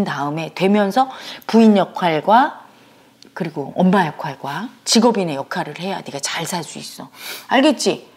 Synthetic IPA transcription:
ntaɯme̞twe̞mjʌnsʰʌpuinjʌkʰwaɭɡwa | kɯɾiɡoʌmbajʌkʰaɭɡwat͡ɕiɡʌbinejʌkʰaɾɯɭhe̞janiɡat͡ɕaɭsʰaɭs͈uis͈ʌaɭɡe̞t̚t͡ɕ͈i

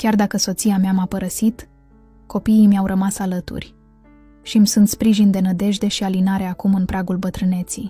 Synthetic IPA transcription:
kʲard̪akəso̞t̪siameamapəɾəsit̪ | ko̞piimjawɾʔəmasalət̪ṵrʲ | ʃimsunt̪spɾiʒind̪e̞nəd̪e̞ʒd̪e̞ʃialinaɾe̞akumɨnpɾaɡulbət̪ɾɨne̞t̪sij

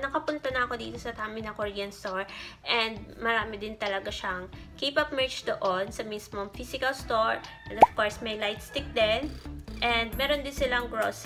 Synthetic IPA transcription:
nɐkɐpʊnt̪ɐnɐɐko̞d̪ḭːt̪o̞sɐt̪aːmɪnɐkoɾiːɐnst̪oɹʔɛnd̪̚mɐɾaːmɪd̪ɪnt̪ɐlɐɡaʃɐŋ | kiːpɐp̚mɛɹt͡ʃd̪oʔonsɐmismoŋfisɪkɐlst̪oɹʔɛ̃nd̪ɔfkoɹsmɐjlajt̪st̪ɪk̚d̪ɛnʔɛnd̪̚mɛːɾond̪ɪnsɪlɐŋɡɹos

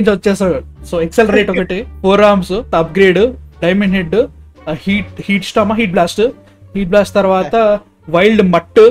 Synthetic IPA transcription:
ɲd͡ʒɐtːesɐɭsoːekselɐɾeːʈoɡɐʈːefoːɾaːmsut̪ɐɐp̚ɡɾeːɖɖɐjmeɳɖɦeɖ | hiːʈhiːʈsʈaːmaɦiːʈ̚blaːsʈɨ | hiːʈ̚blaːsʈt̪ɐɾʋaːt̪ɐ | ʋɐjlɖmɐʈːɨ

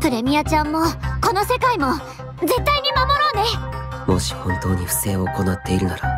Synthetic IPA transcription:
pɯ̟ɾe̞mʲijat͡ɕãmːo̞ko̞no̞se̞kaimo̞ | d͡ze̞t̪ːaiɲ̟imamo̞ɾoːne̞mo̞ɕi̥hõ̞nt̪o̞ːɲ̟iɸɯ̟̥se̞ːoːko̞nat̪ːe̞iɾɯ̟naɾa

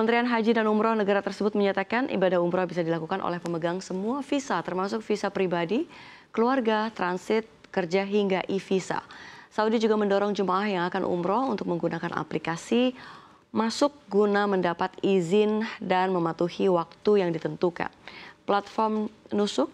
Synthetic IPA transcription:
kəmənt̪ɾianɦad͡ʒidanumɾɔhnəɡaɾat̪ərsəbʊt̪̚məɲat̪akanʔḭbadahumɾɔhbisadilakukanʔo̰lɛhpəməɡaŋsəmuafisat̪ərmasʊk̚fisapɾibadi | kəluarɡat̪ɾansɪt̪̚kərd͡ʒaɦiŋɡaʔifisa̰saudid͡ʒuɡaməndɔɾɔŋd͡ʒumaʔahjaŋakanʔṵmɾɔhṵnt̪ʊk̚məŋɡunakanʔa̰plikasi | masʊk̚ɡunaməndapat̪izɪndanməmat̪uhiwak̚t̪ujaŋdit̪ənt̪uka̰nplat̪̚fɔrmnusʊk̚

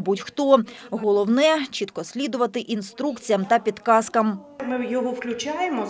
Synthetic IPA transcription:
butʲxt̪ɔɦɔlˠɔwnɛt͡ʃit̪kɔsʲlʲid̪ʊʋɐt̪ɪʔinst̪ɾukt͡sʲijɐmt̪ɐpʲid̪kɑskɐmmɪjɔɦɔwklʲʊt͡ʃʲajemɔ

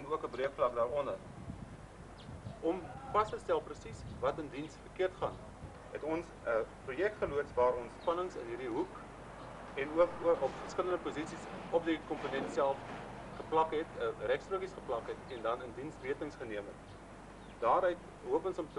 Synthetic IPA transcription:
ɛnuəkəbriəkflɐk̚dɑːɾɔndər | ɔmfɐstəstælˠprəsisvɐtəndinsfərkiərtχɐn | ɦɛtɔns | əprujɛk̚tχəluətsvɑːɾɔnspɐnəŋsə̰nɦiɾiɦuk | ɛnuəkəʔɔpfərskələndəpuzisisɔp̚dikɔmpunɛntsælˠf | χəplɐkɦɛtərɛkstruəkisχəplɐkɦɛtɛndɐnəndinsriətəŋsχəniəmɦɛ̰t | dɑːɾœɥt̚ | ɦuəpɔnsɔmt

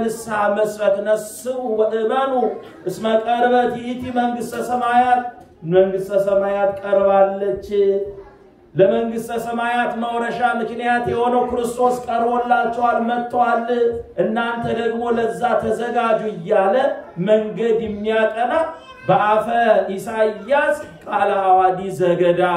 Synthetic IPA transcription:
nɨsaməsfət̪nəsɨβubəʔɨmənu | ʔɨsməkʼəɾβət̪jt̪ʰiməŋɡɨst̪ʼəsəmajat̪ | məŋɡɨst̪ʼəsəmajat̪kʼəɾbalːət͡ʃː | ləməŋɡɨst̪ʼəsəmajat̪məwɾəʃamɨknijat̪jɛho̞nəwkɨɾɨst̪ʰo̞skʼəɾbolːat͡ʃːɛwalmət̪ːwalːʔɨnːant̪ʰəd̪əɡmo̞ləzːat̪ʰəzəɡad͡ʒuɪjːaləməŋɡəd̪jɛmːijakʼəna | bəʔafəʔisajːaskʼalaːwad̪izəɡəd̪a

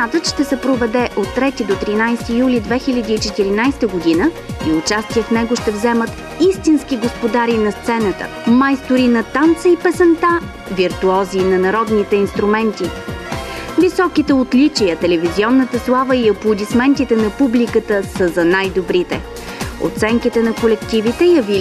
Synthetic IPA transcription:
ad̪ət̪ʃt̪ɛsɛpɾovɛd̪ɛʔot̪ːɾɛt̪id̪ot̪ɾinajst̪ijulʲid̪vɛxilʲəd̪iːt͡ʃɛt̪iɾinajst̪əɡod̪inə | iʊt͡ʃast̪ijəfnɛɡoʃt̪ɛvzɛmət̪ | ist̪inskiɡospod̪aɾinɐst̪sɛnət̪ə̰ | majst̪oɾinɐt̪ant̪səipɛsɛnt̪a | viɾt̪uɔziːnɐnɐɾɔd̪nit̪ɛinst̪ɾʊmɛnt̪i | visɔkit̪ɛot̪lit͡ʃijət̪ɛlɛviziɔnːət̪əslˠavəiɐplˠʊd̪ismɛnt̪it̪ɛnɐpublikət̪əsəzɐnajd̪obɾit̪ɛ | o̰t̪sɛŋkit̪ɛnɐkolɛkt̪ivit̪ɛjɐvi

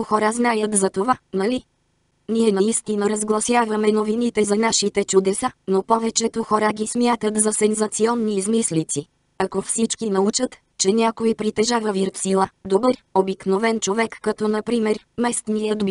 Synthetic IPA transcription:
xɔɾaznajət̪zɐt̪ovanɐli | niɛnɐist̪inəɾɐzɡlˠɐsʲjavəmɛnovinit̪ɛzɐnaʃit̪ɛt͡ʃʊd̪ɛsanopɔvɛt͡ʃɛt̪oxɔɾaɡʲismʲjat̪ət̪zɐsɛnzɐt̪siɔnːiːzmislit̪si | ɐkofsit͡ʃkinɐut͡ʃət̪ | t͡ʃɛnʲakoipɾit̪ɛʒavəviɾt̪silˠad̪obɤɾ | obiknovɛnt͡ʃovɛkːɐt̪ɔnɐpɾimɛɾ | mɛst̪nijəd̪b

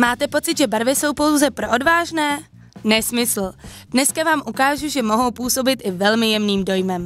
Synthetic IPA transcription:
maːt̪ɛpo̞t͡sɪd̪ʒɛbaɾvɪso̞wpo̞wzɛpɾoʔodvaːʒnɛː | nɛsmɪsl̩d̥nɛskavaːmʔukaːʒuʒɛmo̞ɦo̞wpuːso̞bɪt̪ʔɪvɛlmɪjɛmniːmdo̞jmɛm

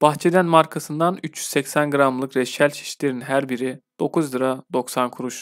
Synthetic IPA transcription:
b̥axt͡ʃʰe̞d̪ænmaɾkʰasɯnd̪anyt͡ʃʰjy̥zsɛcsænɡɯɾamlˠɯkɾɛʃælʲt͡ʃʰi̥ʃlʲe̞ɾinɦæɾbiɾid̪̥o̞kʰuzlˠɯɾad̪o̞ksankʰuɾuʃ

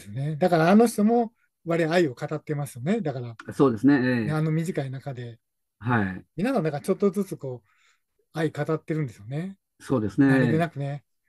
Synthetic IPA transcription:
sɨɨne̞d̪akaɾaːno̞ç̬̥t̪o̞mo̞ | βaɾeβaːio̞kat̪at̪ːe̞masɨjo̞ne̞d̪akaɾaso̞ːd̪e̞sɨneeneano̞mʲiʑikainakad̪e̞ | haimʲinasãnd̪akat͡ɕo̞t̪ːo̞zɨt͡sɨko̞ː | aikat̪at̪ːe̞ɾɯ̟nd̪e̞sɨjo̞ne̞ | so̞ːd̪esɨnead̪enakɯ̟ne

